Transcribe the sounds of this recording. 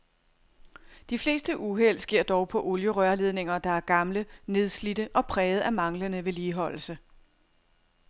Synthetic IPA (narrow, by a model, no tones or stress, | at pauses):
d̥ifle̝ːsd̥əʔuɦel̰sɡ̥e̝ɐ̰d̥ɒʊpʰɒ̽ʔo̝ljəʁœɐle̝ð̞ˠne̝ŋɐd̥ɑ̈æɐɡ̥ɑ̈mləne̝ð̞ˠslid̥əʔɒ̽pʰʁɛːð̞̩ˠæmɑ̈ŋlənəʋe̝liːɦɒ̽l̰l̩sə